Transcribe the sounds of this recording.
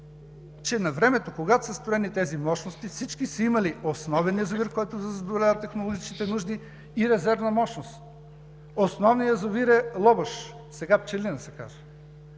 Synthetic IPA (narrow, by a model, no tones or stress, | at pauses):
t͡ʃɛnɐvɾɛmɛt̪okoɡat̪osɐst̪ɾoɛnit̪ɛzimɔʃnost̪ifsit͡ʃkisɐimɐliosnɔvɛnjɐzoviɾkɔjt̪od̪ɐzɐd̪olʲavət̪ːɛxnolˠoɡit͡ʃk̪it̪ɛnuʒd̪iː | ɾɛzɛɾvnɐmɔʃnost̪ | osnɔvniɐzoviɾɛlˠɔbəʃ | sɛɡapt͡ʃɛlinɐsɛka̰ʒə